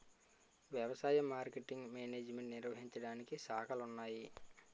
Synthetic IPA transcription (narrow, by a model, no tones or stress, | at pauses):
ʋjɐʋɐsaːjɐmːaːɾkeʈiŋɡmeːneːd͡ʒme̞ɳʈniɾʋɐɦiɲt͡ʃɐɽaːnikisaːkʰɐlunːaːji